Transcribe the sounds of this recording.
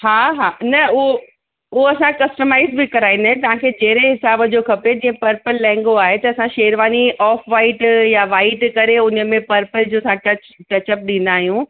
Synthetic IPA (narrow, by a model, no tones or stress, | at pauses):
ɦaːɦaːnɐʊɦo | ʊoɐsãkɐsʈəmaːɪzbɪkɐɾaːĩnd̪aːɦẽt̪̬ɐʋ̤ãkʰed͡ʑeɦɾeɦɪsaːbəd͡ʑokʰɐped͡ʑĩːə̃pɐɾpəlːɛ̃ːŋɡoaːɦet̪ɐːsãʃeːɾʋaːniʔɔːfʋaːɪʈjaʋaːɪʈkɐɾeʊnə̆mẽpɐɾpəld͡ʑoːɐsãʈɐt͡ɕʈɐt͡ɕəp̚ɗĩːnd̪aːɦijũ